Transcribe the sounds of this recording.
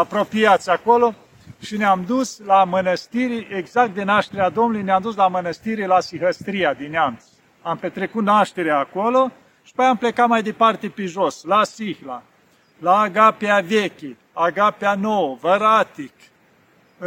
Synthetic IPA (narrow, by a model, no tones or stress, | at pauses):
apɾo̞pijat̪sʲakolo̞ | ʃineamd̪uslamənəst̪iɾiʔeɡzakt̪̚d̪enaʃt̪eɾead̪omnulujneamd̪us̬lamənəst̪iɾilasiɦəst̪ɾijad̪inean | ampe̞t̪ɾe̞kut̪naʃt̪e̞ɾeaːkolo | ʃi̥pəjamplekat̪majd̪e̞part̪e̞peʒoslasihla̰ | laːɡapeavekʲi | aɡapeanowəvəɾat̪ik